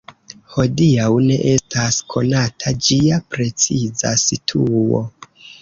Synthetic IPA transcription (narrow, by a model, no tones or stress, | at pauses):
ho̞diawne̞ʔe̞stʰaskʰo̞natʰad͡ʒiapɾe̞t͡siza̰sitʰuo̞̰